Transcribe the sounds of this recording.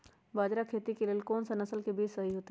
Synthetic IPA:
baːd͡ʒɾakʰeːt̪ikelelkɔːnsanɐsəlkebiːd͡ʒsɐɦiɦoːt̪e

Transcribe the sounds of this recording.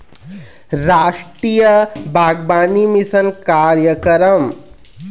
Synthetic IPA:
ɾaːʂʈɾijəbʱaːɡbaːnimisənkaːɾjɐkɐɾɐm

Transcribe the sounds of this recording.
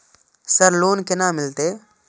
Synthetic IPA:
səɾloːnkɪnaːmɪlt̪eː

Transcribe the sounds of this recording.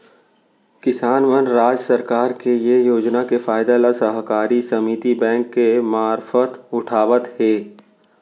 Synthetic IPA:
kɪsaːnʋənɾaːd͡ʒsəɾkaːɾkejejoːd͡ʒnakefaːɪd̪alasəɦkaːɾisɐmiːt̪ibɛ̃ːŋkːemaːɾfət̪ʊʈʰaːʋət̪ɦeː

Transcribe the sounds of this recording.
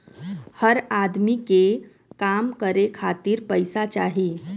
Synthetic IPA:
həɾad̪mike | kamkəɾekʰat̪iːɾpəjsat͡ʃa̰ɦiː

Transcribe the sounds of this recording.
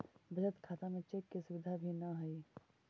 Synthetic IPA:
bʱəd͡ʒət̪kʰaːt̪amẽt͡ʃeːkːisʊʋɪd̪ʱabʱinɐɦɐiː

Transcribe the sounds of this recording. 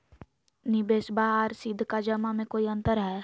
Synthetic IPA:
nɪbeːsbaːɾsɪd̪ʱːkad͡ʒəmamẽkoːiɐ̃nt̪əɾɦɛ

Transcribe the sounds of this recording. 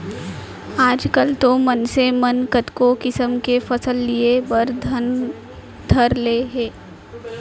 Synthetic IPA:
aːd͡ʒkəlt̪omənsemənkət̪kokɪsəmkefɐsəlːiebəɾd̪ | d̪ʱəɾleːɦeː

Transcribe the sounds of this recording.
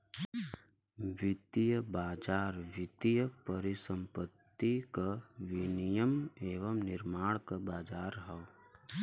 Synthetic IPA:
ʋɪt̪ijəbaːd͡ʒaːɾʋɪt̪ijəpəɾɪsə̃mpət̪ːikaʋɪnijəmeːʋəmnɪɾmaːɽ̃kəbaːd͡ʒaːɾɦɛʋ

